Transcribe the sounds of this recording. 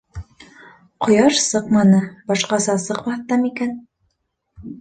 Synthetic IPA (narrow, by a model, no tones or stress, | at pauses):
qŏjɑʃsɤqmɑnɤbɑʃqɑsɑsɤqmɑθt̪ɑmikæn